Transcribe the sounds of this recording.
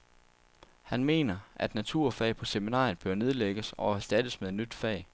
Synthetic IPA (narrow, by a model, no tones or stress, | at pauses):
hænme̝̰ːnɐʔæd̥næt͡sʰuɐ̰fɛ̰ːɪpʰɒ̽seminɑ̰̈ːjn̩ˠb̥ɶɐne̝ð̞ˠleɡ̥əsɒ̽æɐsd̥æd̥əsmeðˠe̝nːyd̥fɛ̰ːɪ